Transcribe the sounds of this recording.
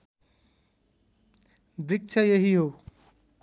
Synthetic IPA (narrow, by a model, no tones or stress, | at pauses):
brik̚t͡sʰʌjeɦiɦo